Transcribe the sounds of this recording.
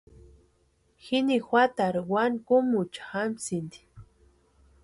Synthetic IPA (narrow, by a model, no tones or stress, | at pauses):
xinixwat̪aɾwankʊmut͡ʃḁxamsind̪i̥